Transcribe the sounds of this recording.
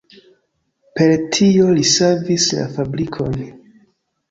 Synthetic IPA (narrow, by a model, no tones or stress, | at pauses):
pe̞ɾtʰio̞lisavisla̰fabɾikʰo̞̰n